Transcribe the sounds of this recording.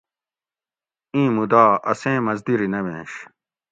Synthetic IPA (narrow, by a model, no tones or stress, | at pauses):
ĩːmud̪aːʔɐsẽːmɐzd̪iɾinɐwḛ̃ːɕ